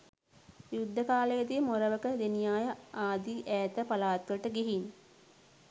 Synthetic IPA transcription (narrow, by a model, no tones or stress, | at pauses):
jud̪ʱːəkaːlejət̪ijmoɾəʋəkəd̪enijaːjəʔaːd̪iʔæːt̪əpalaːt̪ʋəʈəɡiɦin